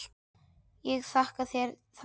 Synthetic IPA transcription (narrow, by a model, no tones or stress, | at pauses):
jɛɣθahkaθjɛɾ | θa